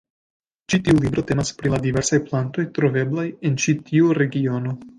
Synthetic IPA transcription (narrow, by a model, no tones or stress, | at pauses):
t͡ʃitiulibɾo̞te̞maspɾiladive̞ɾsajplanto̞jtɾo̞ve̞blaje̞nt͡ʃitiuɾe̞ɡio̞no̞